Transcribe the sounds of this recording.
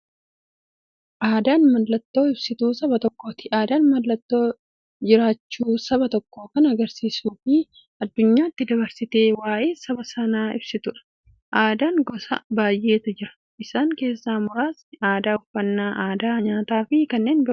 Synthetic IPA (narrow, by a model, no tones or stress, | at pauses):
ʔaːd̪aːnmɐllɐt̪ːo̞ːɪbsɪt̪uːsɐbɐt̪ɔkːo̞ːt̪ɪ̥ʔaːd̪aːnmɐllɐt̪ːo̞ː | d͡ʒɪɾaːt͡ʃːuːsɐbɐt̪ɔkːo̞ːkɐnɐɐɡɐɾsiːsuːfɪ | ɐd̪ːʊɲːaːɪt̪ːɪd̪ɐbɐɾsɪt̪e̞ːwaːʔe̞ːsɐbɐsɐnaːɪbsɪt̪ʊᶑɐ̥ | ʔaːd̪aːnɡɔsɐ̰baːjʔe̞ːt̪ɐd͡ʒɪɾɐ̥ | ʔɪsaːŋke̞ːsːaːmʊɾaːsaːd̪aːʊfɐnːaːʔaːd̪aːɲaːt̪aːfɪkɐnːe̞ːnbɪɾʊ